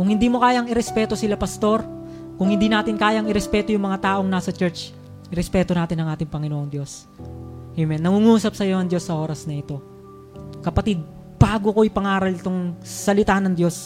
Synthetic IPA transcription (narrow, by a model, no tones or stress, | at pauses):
kʊŋhɪnd̪iːmokaːjɐŋɪɾɛspɛːt̪o̞sɪlapɐst̪o̞ɾ | kʊŋhɪnd̪inaːt̪ɪnkaːjɐŋɪɾɛspɛːt̪o̞jʊŋmɐŋat̪aːʔo̞ŋnaːsɐt͡ʃɛɹt͡ʃ | ʔɪɾɛspɛːt̪onaːt̪ɪnɐŋʔaːt̪ɪŋpɐŋɪnoʔoŋd̪jo̞s | emɛnːɐŋuŋuːsɐp̚sɐjonɐŋd̪jo̞sːɐʔo̞ːɾɐsnɐɪt̪o̞ | kɐpɐt̪id̪̚ | b̥aːɡoko̞ʔɪpɐŋaːɾɐlɪt̪oŋsɐlɪt̪aːnɐŋd̪jo̞s